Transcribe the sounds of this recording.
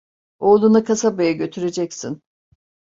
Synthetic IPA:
o̞ːlˠunɯkʰasabajaɟø̞t̪ʰyɾe̞d͡ʒɛcsin

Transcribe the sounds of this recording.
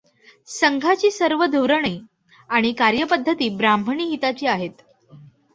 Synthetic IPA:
səŋɡʱat͡ɕiːsəɾʋəd̪ʱuʋɾəɳiː | aɽ̃ikaɾjəpəd̪ʱːət̪iːbɾambʱəɳiːɦit̪at͡ɕiːaɦet̪

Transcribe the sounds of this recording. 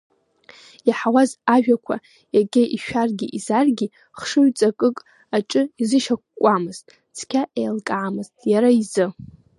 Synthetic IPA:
jaħawazaʒᶣakʷʰa̰ | jaɡʲʼɪʔiʃᶣarɡʲiʔizarɡʲi | χʂɨɥt͡sʼakʼɨkʼ | aʈ͡ʂʼɨizɨʃakʷkʷʼamɨztʼ | t͡sʰkʲʰaʔejlkʼaːmɨztʼjaɾaizɨ

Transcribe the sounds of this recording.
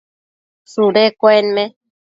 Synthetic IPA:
suɾekʷoenmẽ

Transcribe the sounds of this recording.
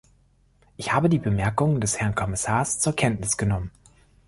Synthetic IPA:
ʔɪçhaːbədiːbəmɛɐkʊŋəndɛshɛɐnkʰɔmɪsaːɐst͡suːɐkʰɛntnɪsɡ̥ənɔmən

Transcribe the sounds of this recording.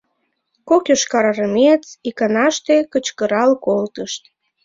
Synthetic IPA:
kokʲoʃkɑɾɑɾəmet͡sikɑnɑʃt̪ekət͡ɕkə̆ɾɑlkolt̪əʃt̪

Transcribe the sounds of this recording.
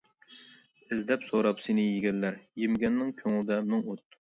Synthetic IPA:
ɪzd̪ɛpsoɾɑpsenɪjiɡʲɛlːæɾjɪmɡʲɛnːɪŋkʲʰøŋɪlˠd̪ɛmɪŋut̪̚

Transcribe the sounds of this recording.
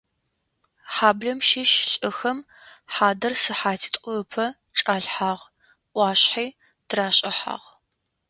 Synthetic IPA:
ħaːbɮɐmʃɪʃɕʼɪxɐm | ħaːdɐrsɨħaːtʰi̥tʼʷʊpʰɐ | ʈ͡ʂʼaːɮħaːʁ | ʔʷɑːɕħiː | d̥ʰraːɕʼɐħa̰ːʁ

